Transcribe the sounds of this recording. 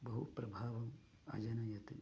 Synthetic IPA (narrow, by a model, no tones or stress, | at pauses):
bɐɦupɾɐbʱaːʋɐm | ɐ̰d͡ʒɐnɐjɐt̪i